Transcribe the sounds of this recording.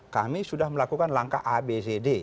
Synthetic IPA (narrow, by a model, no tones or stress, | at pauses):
kamisudahməlakukanlaŋkaʔabezede